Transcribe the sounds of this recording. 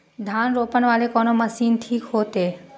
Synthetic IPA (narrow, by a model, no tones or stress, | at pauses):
d̪ʱanɾopənʋalekɔnoməsinʈʰiːkɦot̪e